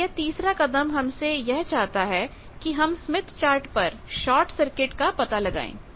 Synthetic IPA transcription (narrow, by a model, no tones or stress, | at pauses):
ɛt̪iːsɾaqɐd̪əmɦɐmsejɛɦt͡ʃaːɦt̪aɦɛ | kiɦɐmsmɪt̪ʰt͡ʃaːɾʈpɐɾ | ʃɔːɾʈsɐɾkɪʈkapɐt̪alɐɡa̰ːḛ̃ː